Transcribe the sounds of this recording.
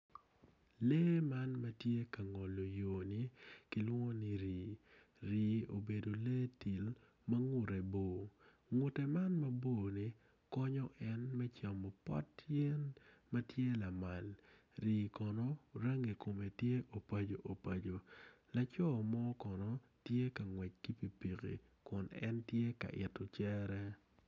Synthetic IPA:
leː˦ma˦nmɐ˦tje˦ka˨ŋɔ˨lo˨joː˨nɪ˦kɪ˦lwŋo˦nɪ˦ɾiː˨ | ɾiː˨o˨be˨do˨leː˦ti˨l | mɐ˦ŋʊ˨ɾe˨boː˨ | ŋʊ˨te˨ma˦nmɐ˦bo˦˨nɪ˦ | kɔ˦ɲɔ˦ʔɛ˦nmɛ˦t͡ʃa˨mɔ˨pɔ̰˦tjɛ˦nma˦tje˦la˨ma˨l | ɾiː˨kɔ˨nɔ˦ɾa˦ŋe˨ko˨me˨tje˦ʔo˨pa˦d͡ʒo˨ʔo˨pa˨d͡ʒo˨ | la˨t͡ʃɔ˦˨mɔ˦kɔ˨nɔ˦ | tje˦ka˨ŋwɛ˨t͡ʃ̚ki˦pi˨pi˨kḭ˨ | kʊ˨nɛ̰˦ntje˦ka̰˨ʔɪ̰˨to˨t͡ʃɛ˦ɾɛ˦

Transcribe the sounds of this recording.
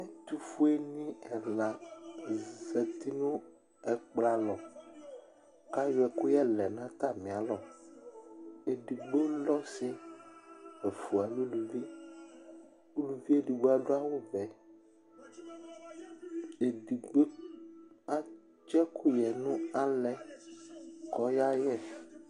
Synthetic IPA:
ẽ˦t̪u˦fu˦e˦nĩ˦ɛ˨la˨di˨ze˨t̪i˦nũ˦ | ɛ˦k͡pla˦lɔ˨ | ka˦jɛ˨ko˦jɛ˦lɛ˨nã˦t̪a˦mĩ˨a˨lɔ˨ | e˨ɖi˨ɡ͡be˦lɔ˦se˦ | e˨fu˨a˨lu˦lu˨vi˦ | u˦lu˨vi˦e˦ɖi˨ɡ͡bo˦a˨ɖo˦a˦wo˦vɛ˨ | e˨ɖi˨ɡ͡bo˦ | a˦ | d͡ʒɛ˦kʰu˦jɛ˨nũ˦a˨lɛ˨ | kɔ˨˦ja˦jɛ˦˨

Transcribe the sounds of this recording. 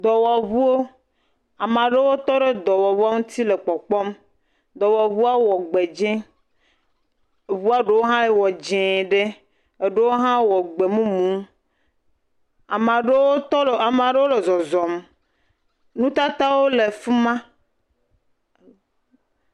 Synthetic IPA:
d̪ɔ˨wɔ˨βu˦wo˦ | a˨mã˨ɖe˦wo˦t̪ɔ˦ɖe˦d̪ɔ˨wɔ˨βu˦a˦ŋũ˦t̪i˦le˨k͡pɔ˨k͡pɔ˦m | d̪ɔ˨wɔ˨βu˦a˦wɔ˨ɡ͡be˨d͡ʒẽ˦˨ | βu˦a˦ɖe˦wo˦ɦã˦je˦wɔ˨d͡ʒɛ̃˨ɖe˦ | e˨ɖe˦wo˦ɦã˦wɔ˨ɡ͡be˨mũ˦mũ˦ | a˨ma˨ɖe˦wo˦˨a˨m˨a˨ɖe˦wo˦le˨zɔ˨zɔ˨m | nũ˦t̪a˦t̪a˦wo˦le˨fu˦mã˦

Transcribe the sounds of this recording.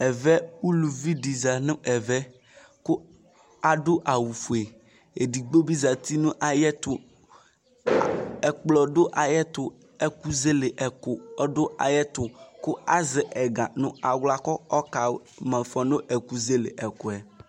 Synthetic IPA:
ɛ˨vɛ˦wu˦lu˨vi˦ɖi˨za˨nʊ̃˦ʔɛ˨vɛ˦ | kʊ˦ | a˦ɖʊ˦ʔa˨wu˨fu˨e˨ | e˨di˨ɡ͡bo˦bi˦za˨t̪i˦nũ˦ʔa˨jɛ˦t̪ʊ˨ | ɛ˨k͡plɔ˨dʊ˦ʔa˨jɛ˦t̪ʊ˨ | ɛ˦ku˦ze˦le˨ʔɛ˨kʊ˨ɔ˦dʊ˦ʔa̰˨jɛ˦t̪ʊ˨kʊ˦a˦zɪ˨ʔɛ˨ɡã˨nʊ̃˨a˨wla˨kɔ˦ɔ˦ka˨ | mɛ̃˨fɔ˨no˦ʔɛ˨ku˦ze˦lḛ˨ʔɛ˨kʊ˨ɛ˨

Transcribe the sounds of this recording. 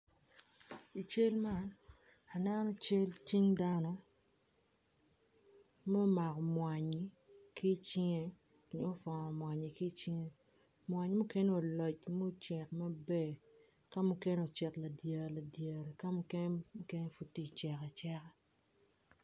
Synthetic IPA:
i˨t͡ʃe˦lma˦n | a˨nɛ˦nɔ˦t͡ʃe˦lt͡ʃi˦ŋda˦nɔ˦ | mɛ˦ma˨kɔ˨mwa˨ɲi˨ | ki˦t͡ʃɪ˦ŋe˦ | ni˨˦o˦fɔ˨nɔ˨mwa˨ɲi˨ki˦t͡ʃi˦ŋe˦ | mwa˨ɲ˦mu˦ke˦ne˦o˨lɔ˨t͡ʃmo˦t͡ʃɛ˨k̚mɐ˦be˦ | ka˦mu˦ke˦no˨t͡ʃɛ˨tla˨dje˨la˨dje˨ɾe˨ka˦mu˦ke˦n˦mu˦ke˦ne˦fu˨tːi˦˨t͡ʃɛ˨kɛ˨t͡ʃɛ˦kɛ˦

